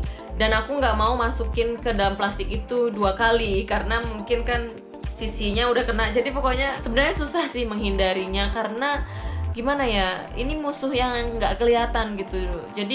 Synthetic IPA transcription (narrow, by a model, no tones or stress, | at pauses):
danakuŋɡaʔmaumasukɪnkədalamplast̪ɪkit̪uduakalikaɾənamuŋkɪnkan | sisiɲaudahkənad͡ʒadipokoɲasəbənərɲasusahsɪhməŋɦindaɾiɲakaɾənaɡimanaja | ḭnimusʊhjaŋŋɡaʔkəliat̪anɡit̪ud͡ʒadi